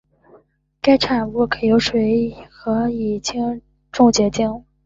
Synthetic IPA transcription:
ka˥ɪʈ͡ʂʰa˨˩nwu˥˩kʰɤ˧˩jo˧˥ʊʂwe˧˥ɪxɤ˧˥i˨˩t͡ɕʰi˥ŋ | ʈ͡ʂʊ˥˧ŋt͡ɕjɛ˧˥t͡ɕi˥˩ŋ

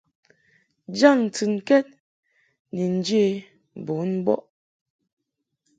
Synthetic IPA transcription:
d͡ʒa˦˨ŋn̩˨tɨ˨ŋkɛ˦t̚ | ni˨n̩˦d͡ʒe˦˨ | bo˨˦n˦bɔ̰˦ʔ

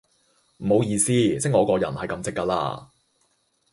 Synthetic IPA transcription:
m̩˨˩mo˨˧wjiː˧siː˥t͡sɪ˥ŋɔː˨˧kɔː˧jɐ̰˨˩nhɐ˨jkɐ˨˧mt͡sɪ˥kːaː˧la̰ː˧

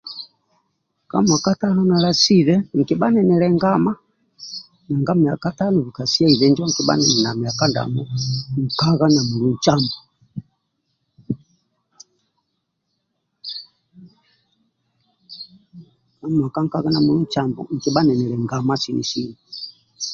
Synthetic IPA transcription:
ka̰˦mwa˨ka˦ta˦nɔ˦na˨la˨si˦ðɛ˦ŋ̩˨kɛ˨ba˦nɛ˨nɛ˨lɛ˨ŋɡa˦ma˦ | na˨ŋɡa˦mi˨a˨ka˦ta˦nɔ˨βi˨ka˨si˦a˦i˨βɛ˨˦nd͡ʒɔ˦ŋ̩˨kɛ˨ba̰˦nɛ˨nɛ˨na˨mi˨a˨ka˦nda̰˨mɔ˦ŋ̩˨ka˦ɣa˦na˨mu˨lu˨n̩˨t͡ʃa˦mbɔ˨ | ka˦m˨a˨ka˦ŋ̩˦ka˦ɣa˦na˨mu˨lu˦n̩˨t͡ʃa˦mbɔ̰˨ŋ̩˨ki˨ba˦nɛ˨nɛ˨lɛ˨ŋɡa˨ma˦si˦nḭ˨si˦ni˨

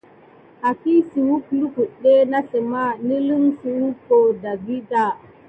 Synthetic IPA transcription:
ʔa˨ki˦si˨wu˦klu˦ku˨ɗe˦na˦se˨ma˦ni˦li˦nsi˨wu˦ko˨da˨bi˦da˨

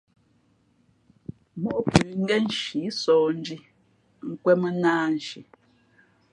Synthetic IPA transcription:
mɔ˦ʔpʉ˨ŋ̩˦ɡɛ˦n̩˦ʃi˨˦sɔː˨n̩˦d͡ʒi˦ | ŋ̩˦kwɛ˦mə˦naː˦n̩˨ʃi˨

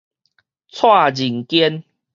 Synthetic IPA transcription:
t͡sʰwa˥˨d͡ʑi˨˩ŋkjɛ˦n

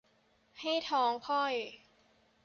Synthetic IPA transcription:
ha˥˩jt̪ʰɔː˨˦˥ŋkʰɔ˥˩j

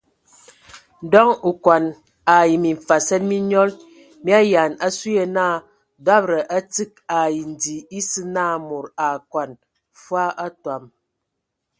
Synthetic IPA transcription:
dɔ˦ŋu˨kwa˨n | a˨ji˨mi˨fa˨sɛ˦t̚mi˦ɲɔ˦l | mi˦a˦ja˨na˦su˦je˦naː˦˨ | da˦b̚ɾə˨ʔa˦ti˦k̚a˨ji˨n̩˨di˨i˦sɨ˦naː˦˨mo˨ɾa˨kwa˨n | fwa˦a˦twa˨m

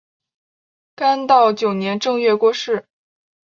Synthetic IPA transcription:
ka˥nt̪ɑ˥˩ʊt͡ɕjo˨˩ʊnjɛ˧˥nʈ͡ʂɤ˥˧ŋɥɛ˥˧kwɔ˥ʂɻ̩˥˩

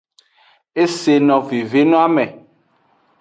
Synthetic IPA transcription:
e˦se˨nɔ̃˨ve˨ve˦nɔ̃˦a˦mɛ̃˨

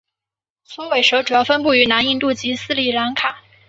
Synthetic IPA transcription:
swɔ˥we˧˨˩ɪʂɤ˧˥ʈ͡ʂu˨˩jɑ˥˩ʊfə˥np̬u˥˩y˧˥na˧˥ni˥˧nt̪u˥˩t͡ɕi˧˥sɹ̩˥˩li˨˩la˧˥nkʰa˨˩˦

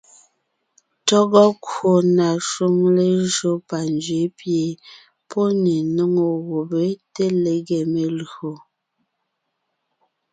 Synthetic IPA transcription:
tɔ˦ɡɔ˦ko˨na˨ʃwu˦ŋle˦ʒo˦pa˨nd͡ʒɥe˨˦pje˨ | pʰɔ˦ne˨no˦ŋo˨ɣo˨be˦te˦le˨ɡe˨me˨lo˨

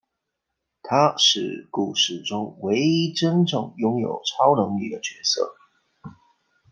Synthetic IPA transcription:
t̪ʰa˥ʂɻ̩˥˩ku˨˩ʂɻ̩˨˩ʈ͡ʂʊ˥ŋwe˧˥ɪi˥ʈ͡ʂə˥nʈ͡ʂɤ̰˨˩ŋjʊ˥ŋjo̰˨˩ʊʈ͡ʂʰɑ˥ʊnɤ˧˥ŋlḭ˥˩d̪ə˩t͡ɕɥɛ˧˥sɤ̰˥˩

